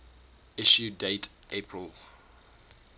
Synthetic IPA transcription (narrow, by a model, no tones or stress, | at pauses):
iʃudetepʰɹil